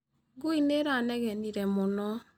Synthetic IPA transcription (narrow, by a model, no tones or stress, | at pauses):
ɡuineɾanɛɣɛniɾɛmonɔ